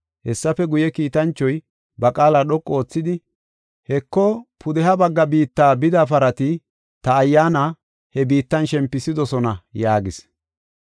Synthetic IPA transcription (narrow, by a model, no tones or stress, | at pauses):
hɛsːɐfɛɡʊjɛkiːt̪ɐnt͡ʃːɔj | bɐkʼaːlaɗɔkʼːo̞ːt͡sːɪd̪ɪ | hɛkːɔpʰʊd̪ɛɦɐbɐɡːɐbiːt̪ːaːbɪd̪apɐɾɐt̪ɪ | t̪ɐːjːaːna | hɛbiːt̪ːɐnʃɛmpːɪsɪd̪ɔsɔnɐjaːɡɪs